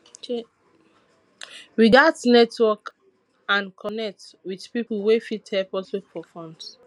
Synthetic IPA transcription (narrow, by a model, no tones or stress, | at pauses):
ɹiɡadsnɛtwɔk | ãnkʰɔnɛk̚twid̥piplwefithɛlpɔsofɔfɔ̃nds